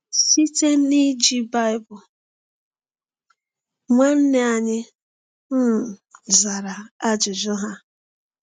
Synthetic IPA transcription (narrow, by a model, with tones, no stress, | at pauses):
si˦te˦ni˦d͡ʒi˦ba˦ɪ˦bʊ˨ | ŋʷe˦n̩˦ne˦a˨ɲɪ˦ | m̩˦˨za˨ɾa˨a˦d͡ʒʊ˨d͡ʒʊ˦ɦa˦